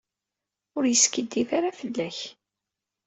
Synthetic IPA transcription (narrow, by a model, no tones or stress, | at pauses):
ʊɾjəskəd̪ːifaɾafəlːæç